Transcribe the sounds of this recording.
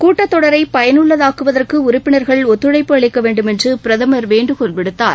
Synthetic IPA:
kuːʈːɐt̪ːɔɽɐɾɐɪpɐjɐnɯɭːɐðaːkɯʋɐðɐrkɯʊɾʊpːɪnɐɾɣɐɭɔt̪ːɯɽɐɪpːɯɐɭɪkːɐʋeːɳɖɯmɛndrɯpɪɾɐðɐmɐɾʋeːɳɖɯkɔɳbɪɽɯt̪ːa̰ːɾ

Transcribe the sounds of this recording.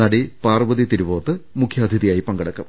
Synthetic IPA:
ɐɽipaːrʋɐðit̪iɾuboːt̪ːɨmukʰjaːd̪ʱiðijaːjipɐŋɡɐɽɐkːɐm

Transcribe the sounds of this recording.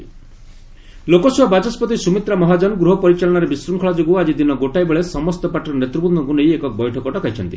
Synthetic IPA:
lokɔsuɦɔbat͡ʃɔspɔt̪isumit̪ɾamɔɦad͡ʒɔnɡɾuɦɔpɔɾit͡ʃalɔɽ̃aɾebisɾuŋkʰɔɭad͡ʒoɡuad͡ʒid̪inɔɡoʈajbeɭesɔmɔst̪ɔpaʈɔɾɔnet̪ɾubund̪ɔɡunejekɔbɔjʈʰɔkɔʈɔkajt͡ʃʰɔnt̪i

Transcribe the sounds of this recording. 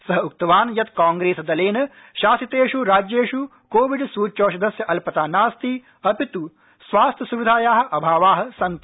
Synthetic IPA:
sɐɦɐuk̚t̪ɐʋaːnjɐt̪kaːŋɡɾeːsɐd̪ɐleːnɐ | ʃaːsit̪eːʃuɾaːd͡ʒjeːʃu | koːʋiɖsuːt͡ʃoːʃɐd̪ɐsjɐʔɐlpɐt̪aːnaːst̪i | ɐpit̪u | sʋaːst̪ʰjɐsuʋid̪ʱaːjaːɦɐ̆ʔɐbʱaːʋaːɦɐ̆sɐnt̪

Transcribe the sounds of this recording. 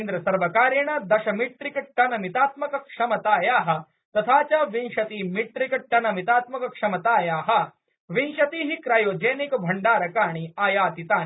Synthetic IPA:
nd̪ɾɐsɐɾʋɐkaːɾjɐɳɐd̪ɐʃɐmit̪ɾikɐʈɐnɐmit̪aːt̪mɐkɐkʂɐmɐt̪aːjaːɦɐ̆ | t̪ɐt̪ʰaːt͡ʃaːʋinʃɐt̪iːmiʈ̪ɾikɐʈːɐnɐmit̪aːt̪mɐkɐkʂɐmɐt̪aːjaːɦɐ | ʋinʃɐt̪iːɦikɾaːjoːd͡ʒeːnikɐbʱɐɳɖaːɾɐkaːɳ̃iaːjaːt̪it̪aːni

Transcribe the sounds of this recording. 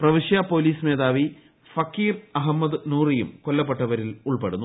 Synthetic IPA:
prɐʋiʂjapo̞ːliːsmeːðaːʋi | fɐkːiːrɐɦɐmːɐd̪ɨnuːrijumkolːɐpːeʈːɐʋɐɾiluɭpe̞̰ɽunːu

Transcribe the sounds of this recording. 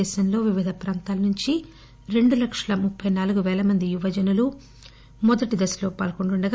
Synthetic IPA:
ɛːʃɐnlo̞ːʋiʋid̪ʱɐpɾaːnt̪aːlɐnuɲt͡ʃi | ɾe̞ɳɖulɐkʂɐlɐmupʰːɐjnaːluɡuʋɛːlɐmɐnd̪ijuʋɐd͡ʒɐnulu | mɔd̪ɐʈid̪ɐsloːpaːlkoɳʈuɳɖɐɡ

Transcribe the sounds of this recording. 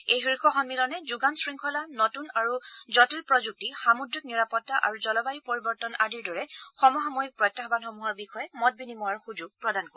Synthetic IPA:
ejɦiɹkʰɔxɔnmilɔnɛzuɡansɹiŋkʰɔlanɔtunaɹuzɔtilpɹɔzuk̚tixamudɹik̚niɹapɔtːaʔa̰ɹuzɔlɔbajupoɹibɔɹtɔnadiɹdɔɹɛxɔmɔɦɔmɔjik̚pɹɔjtːaxɔbanxɔmuɦɔɹbixɔjɛmɔt̚binimɔaɹxud͡ʒuɡ̚pɹɔdankɔ

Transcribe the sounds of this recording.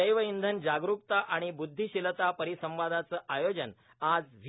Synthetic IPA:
əjʋəind̪ʱənd͡ʑaɡɾukt̪aʔaɽ̃ibud̪ʱːiɕilt̪apəɾisəmʋad̪ʱat͡səːʔajod͡ʑən | ad͡zʋʱ

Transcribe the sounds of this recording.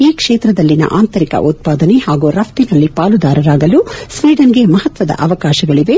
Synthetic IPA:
iːkʂeːt̪ɾɐd̪ɐlːinɐ̰ʔaːnt̪ɐɾikɐ̰ʔut̪̚paːd̪ɐnehaːɡuɾɐp̚ʰt̪inɐlːipaːlud̪aːɾɐɾaːɡɐlusʋiːɖɐnɡe̞mɐɦɐt̪ʋɐd̪ɐ̰ʔɐʋɐkaːʃɐɡɐɭiʋe̞

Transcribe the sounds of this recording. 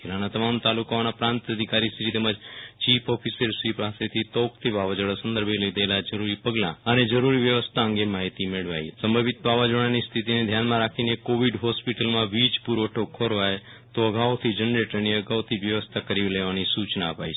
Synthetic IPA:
kʰelanat̪əmamt̪alukaonapɾãnt̪əd̪ʱikaɾist̪ʰiit̪ɛməd͡ʒt͡ʃipʰɔfʰisəɾsʋipaset̪ʰit̪ɔkt̪ʰiʋaʋad͡ʒəɽasənd̪əɾbʱelid̪əelad͡ʒəɾuɾipəɡlã̰əned͡ʒəɾuɾiʋjəʋəst̪ʰaə̃ŋɡemaɦit̪imeɭʋa̰jsəmbəbit̪baʋad͡ʒəɽ̃anist̪ʰit̪ined̪ʱjanmãɾakʰinekoʋiɖɦɔspiʈəlmãʋid͡ʒpuɾoʈʰokʰːoɾʋaj | t̪oəɡaʋot̪ʰid͡ʒənɾeʈəniəɡaʋt̪ʰiʋjəʋəst̪ʰakəɾiʋleʋanisut͡ʃnaəpa̰jt͡ʃʰe

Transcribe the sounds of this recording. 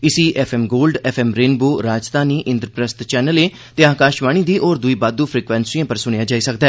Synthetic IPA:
ɪsiːʔɛfʰɛːmɡoːlɖɛfʰɛːmɾeːnboːɾaːd͡ʒt̪aːniːʔɪ̃nd̪ɾəpɾəst̪t͡ʃɛːnəleː | t̪eːaːkaːʃʋaːɽ̃iːd̪iːʔɔːɾd̪ʊiːbaːd̪uːpʰɾiːkʋɛ̃ːnsɪãːpəɾsʊɽ̃ejaːd͡ʒaːiːsəkd̪ɛː

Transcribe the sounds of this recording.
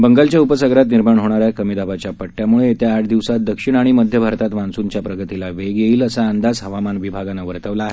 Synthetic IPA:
bəŋɡalt͡ɕjaupəsəɡɾat̪niɾmaɳɦoɽ̃aɾjakəmid̪abat͡ɕjapəʈːjamuɭet̪jaːʈʰd̪iʋsat̪̚d̪əkʂiɳ̃aɽ̃iməd̪ʱjəbʱaɾt̪at̪ʋãnsuɲt͡ɕjapɾəɡət̪ilaʋeɡjeiːləsaːnd̪ad͡zɦəʋamanʋibʱaɡanaʋəɾt̪əʋlaːɦe

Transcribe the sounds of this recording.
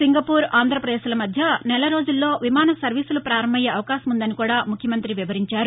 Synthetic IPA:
siŋɡɐpuːɾaːnd̪ʱɾɐpɾɐd̪eːʃlɐmɐd̪ʱjɐnɛlɐɾo̞ːd͡ʒulːo̞ːʋimaːnɐsɐɾʋiːsulupɾaːɾɐmbɐjeːɐʋɐkaːʃɐmund̪ɐnikuːɽaːmukʰjɐmɐnt̪ɾiʋiʋɐɾiɲt͡ʃaːɾu

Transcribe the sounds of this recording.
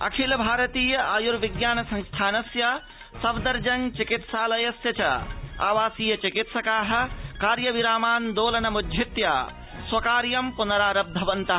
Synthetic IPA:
ɐ̰kʰilbʱaːɾɐt̪iːjɐaːjuɾʋiɡjaːnɐsɐ̃ŋst̪ʰaːnɐsjɐ | sɐbd̪ɐɾd͡ʒɐŋt͡ʃikit̪saːlɐjɐsjɐt͡ʃʰɐ̰a̰ːʋaːsiːjɐt͡ʃikit̪sɐkaːɦɐ̆kaːɾjɐʋiɾaːmaːnd̪oːlɐnɐmudʱit̪ja̰ | swɐkaːɾjɐmpunɐɾaːɾɐb̚d̪ʱɐbɐnt̪aɦ

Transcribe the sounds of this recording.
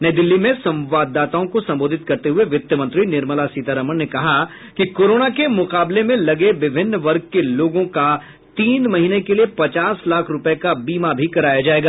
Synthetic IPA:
nɐid̪ɪlːimẽsɐ̃mʋaːd̪ːaːt̪aõkosɐ̃mboːd̪ʱɪt̪̚kɐɾt̪eɦʊeʋɪt̪jəmɐ̃nt̪ɾinɪɾməlasiːt̪aɾəmənnekɐɦa | kikoːɾoːnakemʊqaːblemẽlɐɡeʋɪbʱɪnːʋɐɾɡ̚keloːɡõka | t̪iːnmɐɦiːnekeliepɐt͡ʃaːslaːkʰɾʊpəkabiːmabʱikɐɾaːjad͡ʒaːeːɡaː

